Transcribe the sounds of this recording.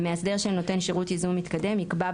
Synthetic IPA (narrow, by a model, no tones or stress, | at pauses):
measde̞ʁʃeno̞te̞nʃeʁutizumːit̪kade̞mikba